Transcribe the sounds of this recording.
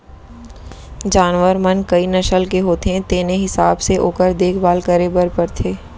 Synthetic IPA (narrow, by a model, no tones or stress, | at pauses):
d͡ʒaːnʋəɾmənkɐinɐʃəlkeɦoːt̪eɦɛ̃t̪eːneɦɪsaːbseʔoːkəɾd̪eːkʰbaːlkəɾebəɾpɐɾt̪ʰeː